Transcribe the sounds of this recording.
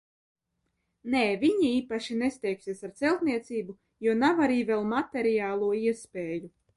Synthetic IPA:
neːvʲiɲiiːpaʃinesʲt̪ʲɛjkʲsiɛsaɾt̪sɛlˠt̪niɛt̪siːbu | juɔnavaɾiːvɛlˠmat̪eɾijaːlˠuɔiɛspʲeːju

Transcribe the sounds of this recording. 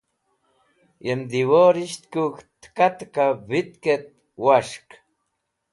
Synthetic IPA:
jend̪iwoɾiʃt̪kukt̪kat̪kaβit̪ket̪̚ | waʃk

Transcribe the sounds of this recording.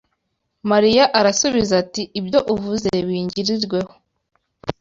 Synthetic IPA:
maɾijaʔaɾasuβizatiʔːbjo̞ʔuvuze̞βiːɲɟiɾiɾɡwe̞ho

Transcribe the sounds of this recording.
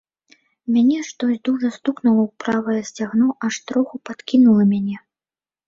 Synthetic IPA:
mʲanʲɛʂt̪ɔsʲd̪uʐɐst̪uknulˠɐwpɾavɐjɛsʲt͡sʲaɣnɔʔaʂt̪ɾɔxupat̪kʲinulˠɐmʲanʲɛ

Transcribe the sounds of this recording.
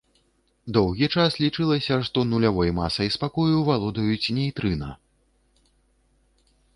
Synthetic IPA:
d̪ɔwɣʲit͡ʂaslʲit͡ʂɨlˠɐsʲɐʂt̪ɔnulʲavɔjmasɐjspakɔjuvalˠɔd̪ɐjut͡sʲnʲɛjt̪ɾɨnɐ̰

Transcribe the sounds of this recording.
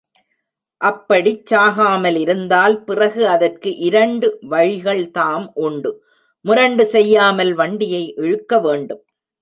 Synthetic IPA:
ʔɐpːɐɽit͡ʃːaːɣaːmɐlɪɾɯnd̪aːlpɪrɐɣɯɐðɐrkɯʔɪɾɐɳɖɯʋɐɻɪɣɐɭt̪aːmʔʊɳɖɯ | mʊɾɐɳɖɯsɛjːaːmɐlʋɐɳɖɪjɐɪʔɛɻɯkːɐʋeːɳɖɯm

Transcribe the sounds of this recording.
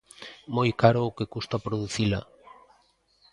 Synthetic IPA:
mojkaɾoːkekust̪apɾoðuθila̰

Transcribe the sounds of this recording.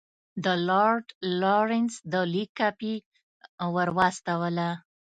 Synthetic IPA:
d̪əloɾɖloɾɪnsd̪əlikːapi | wəɾwɑst̪awəla

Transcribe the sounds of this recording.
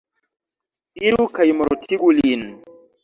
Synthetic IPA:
iɾukajmɔɾotʰiɡulin

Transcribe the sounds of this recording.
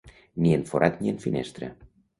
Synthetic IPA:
nʲijənfoɾʔɑt̪nʲiənfinḛʃt̪ɾḛ

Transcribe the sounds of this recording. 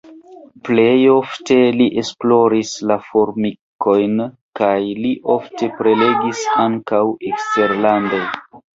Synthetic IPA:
ple̞jo̞fte̞liʔe̞splo̞ɾislafo̞ɾmiko̞jn | kajliʔo̞fte̞pɾe̞le̞ɡisaŋkawekste̞ɾlando̞j

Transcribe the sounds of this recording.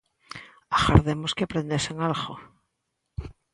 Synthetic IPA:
aɣa̰ɾðemoskeapɾend̪eseŋalɣo

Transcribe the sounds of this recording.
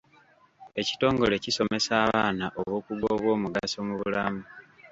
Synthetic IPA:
e̞ci̥to̞ːŋɡo̞le̞ciso̞me̞saːβaːnaʔoβwo̞ːkuɡoːβwo̞ːmuɡasomuβulamu

